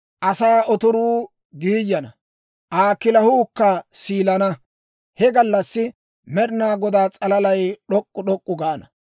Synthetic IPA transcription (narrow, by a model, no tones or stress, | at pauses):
ʔɐsaːɔt̪ʊɾuː | ɡiːjːɐnɐ | ʔaːkːɪlɐhuːkːɐsiːlɐnɐ | hɛɡɐlːɐsːɪ | mɛɗɪnaːɡɔd̪aːt͡sʼɐlɐlɐjɗɔkʼːʊɗɔkʼːʊɡaːnɐ